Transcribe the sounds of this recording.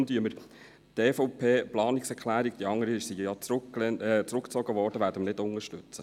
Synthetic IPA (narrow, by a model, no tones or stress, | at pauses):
ndyəməɾ | t̪eːfɔwpʰeːplɑːnɪksɛɾkʰlæːɾik̚d̥iɑŋːəɾəsijɑt͡sɾklɛt͡sɾʊkt͡sɔɡəʋɔːɾd̥əʋæːɾd̥əmnɪdʊŋəʃtɵt͡sə